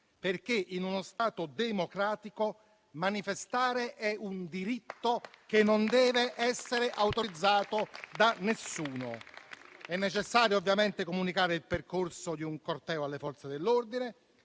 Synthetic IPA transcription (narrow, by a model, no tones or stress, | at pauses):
perk̟eʔinunost̪aːt̪od̪emokɾaːt̪iko | manifest̪aːɾeʔɛund̪iɾit̪ːokenːond̪ɛːveʔɛsːeɾeʔawt̪oɾid̪zːaːt̪od̪anesːuːno̰ | ɛnːet͡ʃesːaːɾjoovːjament̪ekomunikaːɾeilperkorsod̪iuŋkort̪ɛːoalːefɔrt̪sed̪elːord̪ine